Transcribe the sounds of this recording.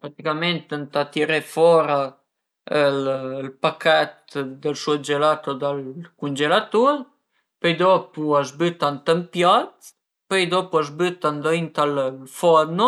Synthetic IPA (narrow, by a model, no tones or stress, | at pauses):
pɾat̪ikament̪ənt̪at̪iɾefɔɾa | əllpakat̪d̪əlsud͡ʒelat̪od̪alkund͡ʒelat̪uɾ | pøjd̪opuazbyt̪ant̪əmpjat̪ | pøjd̪opuazbyt̪and̪oint̪alfɔd̪no